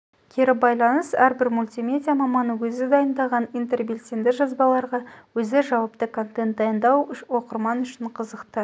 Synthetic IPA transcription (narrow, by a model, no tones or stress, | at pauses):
kʲʰeɾɪbɑjlˠɑnəsæɾbɪɾmulʲt̪ijmʲe̞dʲijamɑmɑnəwɵzɪd̪ɑjənd̪ɑʁɑnijnt̪e̞rbelʲt̪end̪ɪʒɑzbɑlˠɑɾʁɑwɵzɪʒɑwɑp̚t̪əkʰo̞nt̪e̞nt̪̚d̪ɑjənd̪ɑwʏwo̞qəɾmɑnʏʃɪɴqʰəzəqt̪ə